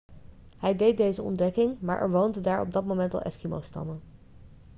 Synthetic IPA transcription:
hɛjdejt̚dejzəɔ̰ndɛkɪŋma̰ːɹʔɛ̰ɹʋowndədaːɹɔ̰b̚dɑt̚mowmɛntɑ̰lˠʔɛ̰skimo̰wstɑ̰mən

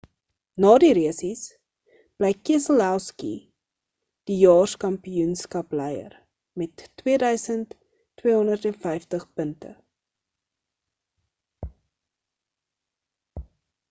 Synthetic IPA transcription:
nɑːdiɾiəsis | b̥lɛjkiəsəlˠælˠskḭ | d̥ijɑːrskɐmpiunskɐplɛjə̰r | mɛtːwiədœɥsəntː | wiəɦɔndərtɛnfɛjftəχpəntə̰

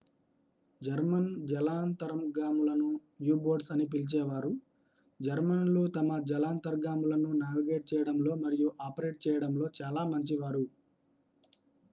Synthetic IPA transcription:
d͡ʒɐɾmɐnd͡ʒɛlaːnt̪ɐɾɐmɡaːmulɐnu | juːboːɾɖsɐnip̬ilt͡ʃɛːʋaːɾu | d͡ʒɐɾmɐnlut̪ɐmɐd͡ʒɛlaːnt̪ɐɾɡaːmulɐnunaːʋiɡe̞ːʈ̚t͡ʃɛːjɐɽɐmlo̞ːmɐɾijuʔaːpɐɾe̞ːʈ̚t͡ʃɛːjɐɽɐmlo̞ːt͡ʃaːlaːmɐɲt͡ʃiʋaːɾu

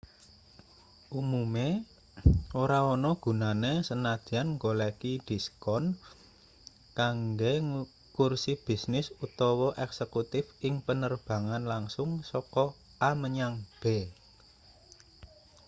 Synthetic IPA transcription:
ʔumume | oɾaɔnɔɡ̥ṳnanesənad̪̥i̤anŋɡolekid̪̥i̤skɔn | kaŋɡeŋ | kursib̥i̤snɪsut̪ɔwɔʔɛksekut̪ɪfɪŋpənərb̥a̤ŋanlaŋsʊŋsɔkɔ | ʔaməɲaŋb̥e

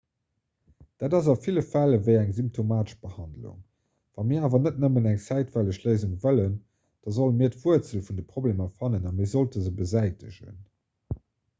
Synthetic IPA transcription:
d̥aːdɑzɑfiləfæləvəɪæŋzymp̚tʰomaːtəʃb̥əhɑndlṵŋ | vɑmiːɐaːvɐnətnəmənæŋt͡sæɪtvæləʃləɪzuŋvələn | d̥ɑzolənmiːɐtv̥uət͡səlfundəpʁoblemɐfɑnənɑmiːɐzoltəzəbəzæɪtəʑə̰n

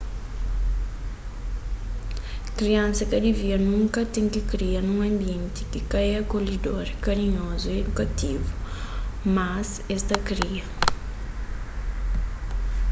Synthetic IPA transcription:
kɾiɐ̃nsɐkɐd̪iviɐɾnũŋkɐt̪ẽŋkikɾiɐnũŋɐ̃mbiẽnt̪i̥kikajɐkolid̪oɾkɐɾiɲozued̪ukɐt̪ivu | mɐs | ɛst̪ɐkɾiɐ

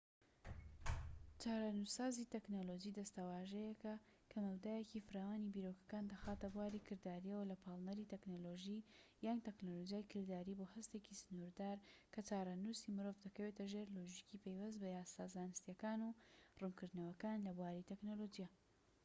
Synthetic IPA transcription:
t͡ʃaːɾˤanusaːzit̪eknolod͡ʒid̪ɐst̪ɐwaːʒɛjɛkɐ | kʰɐmɐwd̪aːjecifɨɾaːwaːnibiɾoːkɐ̥kaːnd̪ɐxaːt̪ɐbwaːɾikʰɨɾd̪aːɾijɐwɐlɐpʰɑːlˠnɐɾit̪eknoloʒijant̪eknolod͡ʒijaːjkʰɨɾd̪aːɾibohɐst̪ecisɨnuɾd̪aːɾkʰɐt͡ʃaːɾanusimɨɾovd̪ɐkɐweːt̪ɐʒeːɾloʒicipejwɐs̬t̪̚bɐjaːsaːzaːnɨst̪ijɐkaːnurunkɨɾd̪nɐwɐkaːnlɐbuwaːɾit̪eknolod͡ʒija

